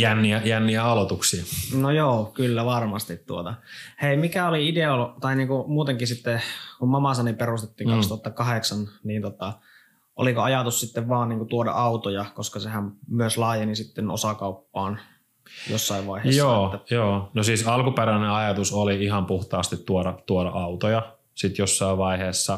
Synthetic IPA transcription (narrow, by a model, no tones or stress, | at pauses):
jænːiæjænːiæɑlot̪uksiɑnojoːkylːæʋɑrmɑst̪it̪tuot̪ɑheimikæoliideolt̪ɑiniːŋkumuːt̪eŋkisit̪ːekummɑmɑsɑniperust̪et̪ːiːŋkɑkst̪ŭɑt̪ːɑkɑheksɑnniːnt̪ot̪ɑ | ʔo̰likoɑjɑt̪ussit̪ːeʋʋɑːnniːŋkut̪uodɑ̰ʔɑut̪ojɑkoskɑsehæmmyøslɑːjenisit̪ːeno̰sɑkɑupːɑːn | jo̰sːɑiʋʋɑieːjsːoːæjoːnosiːsɑlkupeɾæneɑjɑt̪usoliihɑmpuht̪ɑːst̪it̪tuodɑt̪uodɑ̰ɑut̪ojɑ | sit̪josːɑiʋʋɑiheːsːɑ